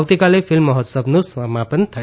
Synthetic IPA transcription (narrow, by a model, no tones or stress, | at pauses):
wt̪ikalepʰilmːʌɦʌt̪sʌbnoswamːapʌnit̪ʰʌ